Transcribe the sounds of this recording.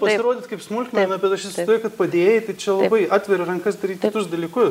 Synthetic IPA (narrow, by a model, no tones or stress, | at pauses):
pɐsʲɪɾoːd̪ʲɪːt̪kɐɪpsmʊlʲkʲmʲɑːnɐbʲɛt̪ɐʃɪsʲɪt̪oːjʊkɐt̪pɐd̪ʲeːjɪt̪ɐɪt͡ʃʲɛlˠɐbɐɪɑːt̪ʲʋʲɛɾʊɪɾɐŋkɐsd̪ɐɾʲiːt̪kʲɪt̪ʊsd̪ɐlʲiːkʊs